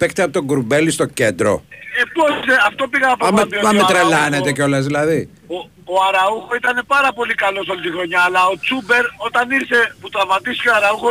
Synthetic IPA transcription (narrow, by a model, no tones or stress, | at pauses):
pekt̪eɐpot̪o̞ɡuɾumbe̞list̪o̞ce̞nd̪ɾo̞̰eposiseɐft̪o̞piɣɐpɐɐmet̪ɾelɐnet̪eceo̞lɐzðilɐði | o | oɐɾɐuxoit̪ɐne̞pɐɾɐpo̞likɐlo̞so̞lit̪ixɾo̞ɲɐːlɐo̞t͡sube̞ɾo̞t̪ɐniɾse̞put̪ɐmɐt̪isi̥coɐɾɐuxo